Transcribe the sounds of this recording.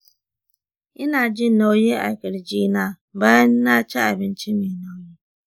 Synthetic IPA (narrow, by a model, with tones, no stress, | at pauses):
ɪ˦na˨d͡ʒɪ˦˨no˦ɲe˦a̰˨ke˨ɾɪ˨d͡ʒi˦na˦˨ba˦na˦˨t͡ʃa˦a˨bɪ˨n̩˦t͡ʃi˦mi˨no˦ɲe˦